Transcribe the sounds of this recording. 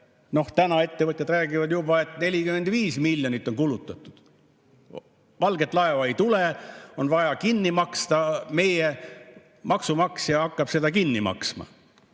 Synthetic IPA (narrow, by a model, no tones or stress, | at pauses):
no̞ht̪ænɑe̞t̪ːe̞vɤt̪ʲjɑd̪ræːɡ̥ivɑd̪jubɑe̞t̪ˑne̞lʲikyme̞nd̪viːsmilʲjonit̪ːˑo̞nkulut̪ˑːɑt̪ːˑud̪̥ | vɑlɡe̞t̪ːˑlɑevɑejt̪uleo̞nvɑjɑkinːimɑkst̪ɑme̞je | mʔɑksumɑksjɑɑkˑːɑb̥se̞d̪ɑkinːimɑ̰ksmɑ̰